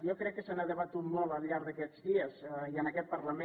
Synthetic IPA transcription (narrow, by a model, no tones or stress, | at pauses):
jokɾɛkːəsənaðəβət̪ut̪mɔlˠəlˠʎaɾðəkɛzðiəziənəkɛt̪̚pəɾləme